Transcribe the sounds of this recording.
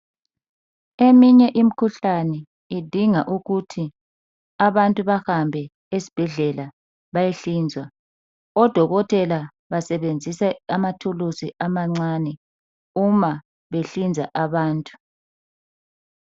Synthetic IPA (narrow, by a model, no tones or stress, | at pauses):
emiɲɛʔim̩kʰuɬanɛ | id̥ʱiŋaʔuɣutʰi | aβantʼuβahambʱɛ | esi̥b̥ʱɛɮɛla | βajeɬiːnd͡zʱwa | ɔd̥ʱɔɣɔtʼɛla | βasɛβend͡zʱisɛamatʰulusiʔamaŋ͡ǀaːnɛ | uma | βeɬind͡zʱa̰ʔaβaːntʼu̥